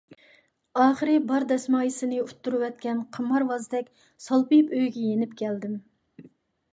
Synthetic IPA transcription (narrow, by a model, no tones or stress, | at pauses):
ɑːχəɾɨbɑɾd̪ɛsmɑːjisɪnɨut̪ːuɾuwɛt̪̚kʲʰɛnqʰəmːɑɾwɑzd̪ɛkʲ | sɑlˠpipøjɡʲɛjenɪpkʲʰɛld̪ɪm